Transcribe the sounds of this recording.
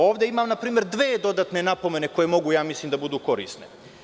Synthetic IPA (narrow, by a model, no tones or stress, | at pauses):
o̞ːʋd̪e̞imaːmnapɾiːmeɾd̪ʋeːd̪o̞d̪aːt̪ne̞napo̞me̞ne̞ko̞je̞mo̞ɡujaːmislˠiːmd̪abud̪uːko̞ɾḭːst̪ne